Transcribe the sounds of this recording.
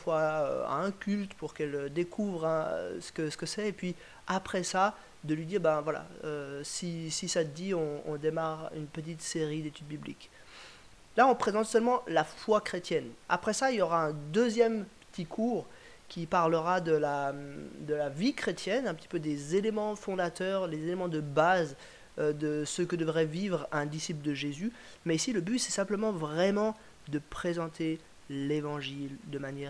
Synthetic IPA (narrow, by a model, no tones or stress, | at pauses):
fwaø̰a̰ɛ̃kʲylt̪puʁkɛld̪ekʰuvʁɛ̃sə̥kəsə̥kəsɛːpɥi | apχɛsa | d̪əlɥid̪iːʁbɛ̃vwala̰øsisisaəd̪iɔ̃ɔ̰̃d̪emaʁynpət̪̬it̪seʁid̪et̪yd̪̚biblḭk | laɔ̃pχezɑ̃t̪sœlmɑ̃lafwakχet̪jɛna̰pχɛsailjɔʁaɛ̃d̪øzjɛmpə̥t̪ʰikʰuːʁ | kʲipaʁləʁad̪əlad̪əlavikχet̪jɛnɛ̃pət̪i̥pød̪ezelemɑ̃fɔ̃d̪at̪œʁlezelemɑ̃d̪əbaz | ød̪əsəkəd̪əvʁɛvivʁɛ̃d̪isipld̪əʒezy | mɛisiləbyt̪sɛsɛ̃pləmɑ̃vʁɛmɑ̃ | d̪əpχezɑ̃t̪ʰe | levɑ̃ʒild̪əmanjɛʁ